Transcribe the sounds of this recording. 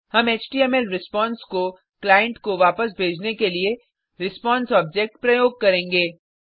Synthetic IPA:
hɐmeːt͡ʃʈiːɛmɛlɾɪspɔ̃ːnsko | klaːjə̃ɳʈkoʋaːpəsbʱeːd͡ʒnekelie | ɾɪspɔ̃ːnsɔːb̚d͡ʒek̚ʈpɾɐjoːɡ̚kɐɾẽːŋɡeː

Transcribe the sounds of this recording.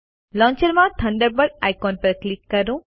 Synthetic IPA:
lɔːnt͡ʃɐɾmãːt̪ʰɐ̃ɳɖəɾbɐʈajkoːnpɐɾklikːɐɾũ

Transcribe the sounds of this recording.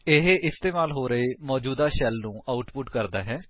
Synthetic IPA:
ɪɦeʔɪst̪eːmaːlɦoːɾəemɔːd͡ʒuːd̪aːʃɛlnũːʔaːʊʈpʊʈkəɾd̪aːɦɛː

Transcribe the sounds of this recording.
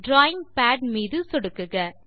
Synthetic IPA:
ɖɾaːjɪŋpaːɖmiːðɯsɔɽɯkːɯɣɐ

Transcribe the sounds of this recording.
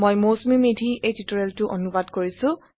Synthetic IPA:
mojmosmimedʱiʔejtitɔɹɛltʊʔonubadkoɹisʊ̃

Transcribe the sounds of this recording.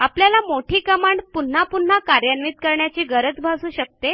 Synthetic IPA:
apljalamoʈʰiːkəmaɳɖpun̤ːapun̤ːakaɾjanʋiːt̪̚kəɾɳjat͡ɕiːɡəɾət͡sbʱasuːɕək̚t̪e

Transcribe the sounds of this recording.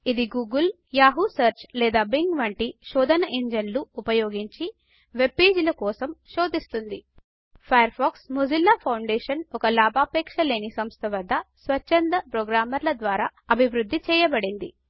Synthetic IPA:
id̪iɡuːɡul | jaːɦusɐɾt͡ʃlɛːd̪aːbiŋɡʋɐɳʈiʃɔːd̪ʱɐnɐʔeɲd͡ʒɐnluːpɐjoːɡiɲt͡ʃi | ʋe̞peːd͡ʒulɐkɔːsɐmʃoːd̪ist̪und̪i | pʰɐjɐɾpʰaːksmud͡ʒilːaːpʰɐwɳɖeːʂɐnɔkɐlaːbʱaːpɛːkʂɐle̞ːnisɐmst̪ʰɐʋɐd̪ʱːɐsʋɐt͡ʃːɐnd̪ɐpɾɔːɡɾaːmɐɾlɐd̪ʋaːɾaːɐbʱiʋɾud̪ʱːit͡ʃɛːjɐbɐɽind̪i

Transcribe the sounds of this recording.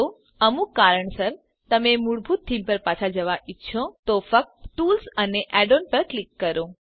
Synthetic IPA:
o | əmũkaɾəɳsəɾ | t̪əmemuɽbʱut̪ʰːimpəɾpat͡ʃʰad͡ʒəʋaʔitːʃʰot̪ofək̚t̪ʈulsəneʔɛɖonpəɾklikːəɾõ

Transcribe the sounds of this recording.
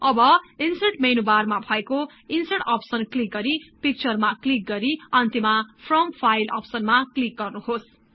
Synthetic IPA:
ʌbʌinseʈmejnubarmabʱʌeko | inseʈʌpsʌnklik̚ɡʌɾipik̚t͡sʌrmaklik̚ɡʌɾiʌnt̪imapʰrʌmpʰajlʌ̰psʌnmaklik̚ɡʌrnuɦos

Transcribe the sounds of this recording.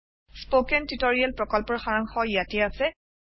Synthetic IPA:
spokɛntitoɹialpɹɔkɔlpɔɹxaɹaŋxɔjatiasɛ

